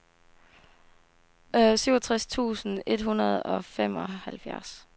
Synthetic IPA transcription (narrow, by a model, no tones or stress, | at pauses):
syʊ̰ɒt͡sʰʁast͡sʰṵːsn̩e̝d̥hunɐð̞ˠɒ̽fem̰ɒ̽hælfjæɐs